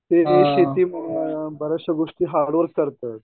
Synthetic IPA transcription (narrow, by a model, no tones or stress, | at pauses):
t̪eɾeɕet̪iːmbəɾəɕəɡoʂʈiːɦaɽʋəɾkkːəɾt̪ət̪̚